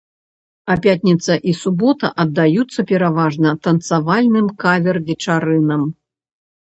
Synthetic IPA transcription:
ɐpʲat̪ʲnʲit̪sɐʔisubɔt̪ɐ̰ʔɐd̪ːajut̪sːɐpʲɛɾavaʐnɐt̪ɐnt̪savalʲnɨmkavʲɛrvʲɛt͡ʂaɾɨnɐm

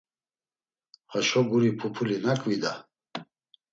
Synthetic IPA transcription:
haʃɔɡuɾipʰupʰulinakʼvid̪a

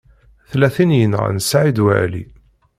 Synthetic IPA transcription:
θlæθinjənə̰nsʕid̪wæ̰ʕlḭ

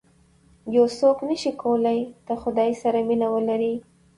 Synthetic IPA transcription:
josoknəʃikʰawəlajt̪əxʊd̪ɑjsaɾaminawəlaɾi

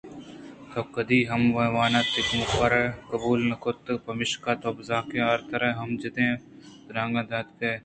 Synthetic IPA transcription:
t̪oːkɐd̪iːɦɐmʋɐʋaːnaːt̪ɪkmukɐɾɐkɐbuːlnɐkʰoːt̪ːpɐmɪʃkaːt̪oːbzaːkẽaɾt̪ɐɾɐɦɐmd͡ʒɐt̪ẽː | d̪ɾãːŋɡãːd̪aːt̪keː

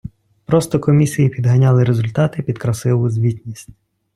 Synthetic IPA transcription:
pɾɔst̪ɔkɔmʲisʲijipʲid̪ɦɐnʲɑlˠɪɾezʊlʲt̪ɑt̪ɪpʲid̪kɾɐsɪlˠʊzʲʋʲitʲnʲisʲtʲ

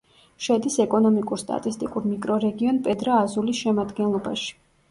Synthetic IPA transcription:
ʃɛd̪isɛkʼɔnɔmikʼuɾst̪ʼa̰t̪ʼist̪ʼikʼuɾmikʼɾɔɾɛɡiɔnpʼɛd̪ɾaːzulisʃɛmad̪ɡɛnlˠɔbaʃi̥

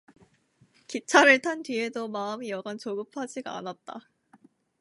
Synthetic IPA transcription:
kit͡ɕʰaɾɯɭtʰantɥiɦe̞domaɯmijʌɡʌnt͡ɕoɡɯpʰad͡ʑiɡaa̰nat̚t͈a

